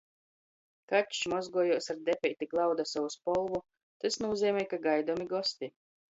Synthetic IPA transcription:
kat͡ʃmɔzɡuɔjuɔsaɾd̪ɛpʲɛjt̪ʲiklˠawd̪asawuspɔlˠvu | t̪asnuːziɛmʲɛjkaɡajd̪ɔmiɡɔst̪ʲi

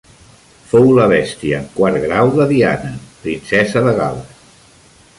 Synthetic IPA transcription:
fowləβ̞ɛst̪iəːŋkwaɾɣɾawðəðia̰nəpɾinsɛzəðəɣalə

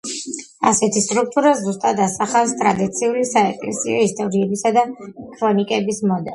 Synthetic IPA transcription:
asɛt̪ʰist̪ʼɾuk̚t̪ʼuɾazust̪ʼad̪asaχafst̪ʼɾad̪it̪sʰiulisaɛkʼlɛ̰sḭɔ̰ist̪ʼɔɾiɛbisad̪akʰɾɔnikʼɛbismɔd̪ɛl

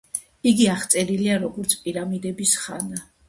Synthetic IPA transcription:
iɡiaχt̪sʼɛɾiliaɾɔɡɔɾt̪sʰpʼiɾamid̪ɛbisχa̰na

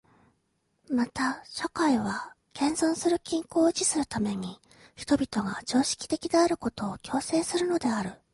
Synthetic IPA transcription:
mat̪aɕokaiβa | kẽ̞nzõɰ̃sɨɾɯ̟kʲĩŋko̞ːd͡ʑisɨɾɯ̟t̪ame̞ɲ̟i | çi̥t̪o̞bʲit̪o̞ɡad͡ʑo̞ːɕi̥kʲi̥t̪e̞kʲid̪eaɾɯ̟ko̞t̪o̞ːkʲo̞ːse̞ːsɨɾɯ̟no̞d̪e̞aɾɯ̟

